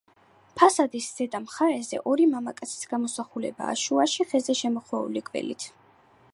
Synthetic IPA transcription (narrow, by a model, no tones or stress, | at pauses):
pʰasad̪isz̥ɛd̪ʼamχaɾɛzɛ̰ʔɔɾimamakʼat̪sʰi̥sɡamɔsaχulɛ̰ba̰ːʃuaʃiχɛzɛʃɛmɔχwɛṵlikʼvɛ̰lḭt̪ʰ